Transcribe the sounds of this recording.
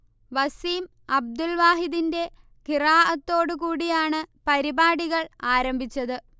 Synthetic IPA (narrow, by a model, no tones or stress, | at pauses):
ʋɐsiːm | ɐb̚d̪ulʋaːɦiðinde̞ | kiraːʔɐt̪ːo̞ːɽɨkuːɽijaːɳɨpɐɾibaːɽiɣɐɭaːɾɐmbʱit͡ɕːɐðɨ